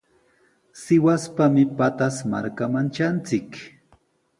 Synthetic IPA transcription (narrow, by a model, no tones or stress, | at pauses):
sɪwaspamɪpat̪asma̰ɾkamant͡ʃant͡sɪk